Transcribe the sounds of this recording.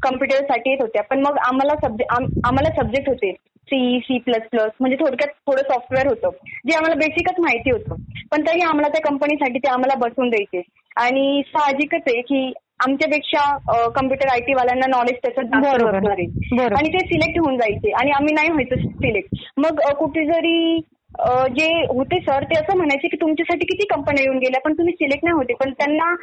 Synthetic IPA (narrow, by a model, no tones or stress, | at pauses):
kəmpjuʈəɾsaʈiːjet̪ɦot̪japəɳməɡamalasəb̚eʔamam̤alasəb̚d͡ʑek̚ʈɦot̪e | sisiːpləspləsm̤əɳd͡zet̪ʰoɽkjat̪ʰːoɽəːsɔfʈʋeəɾɦot̪əːd͡ʑeam̤alabesikət͡sm̤ajt̪iːɦot̪əpəɳt̪əɾiːam̤alat̪jakəmpənisaʈiːt̪eam̤alabəsuːnd͡zajt͡se | aɽ̃isaɦd͡ʑikət͡sekiː | amt͡ɕjapekʂakəmpjuʈəɾajʈiːʋaljanːanɔled͡ʑt̪jat͡saaəɡət̪naɾebəaɽ̃it̪esilek̚ʈɦeuːnd͡zajt͡seʔaɽ̃iam̤iːnaiɦojt͡s̪əsilek̚ʈ | məɡkuʈʰeːd͡zəɾiː | əd͡ʑeɦot̪esəɾt̪eəsəːm̤əɽ̃ajt͡sekiːt̪umt͡ɕjasaʈiːkit̪iːkəmpənijeuːnɡʱeljapəɳt̪um̤iːsilekʈnajɦot̪epəɳt̪janːa